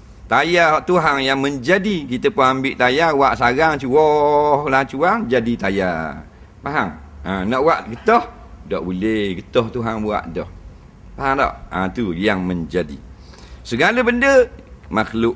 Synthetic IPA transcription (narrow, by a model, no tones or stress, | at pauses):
t̪ajahɔʔt̪uɦaŋjaŋməɲd͡ʒadikit̪əpʊnambɪʔt̪ajawaʔsaɡaŋt͡ʃuwɔhlat͡ʃuaŋd͡ʒadit̪aja | paɦaŋənɔʔwaʔɡət̪ɔh | dɔʔbuleɡət̪ɔht̪uɦaŋbua̰ʔdɔh | paɦaŋdɔ̰ʔa̰t̪ujaŋməɲd͡ʒadḭ | səɡaləbəndəmaklʊʔ